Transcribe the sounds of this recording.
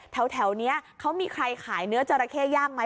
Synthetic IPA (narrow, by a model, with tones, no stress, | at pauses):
t̪ʰɛ˨˩˦wt̪ʰɛ˩˦wni˦˥ɐkʰa˦˥wmiː˧kʰɾa˧jkʰaː˩˦jnɯ˦˥ɐt͡ɕa˧ɾa˧kʰeː˥˩jaː˥˩k̚ma˦˥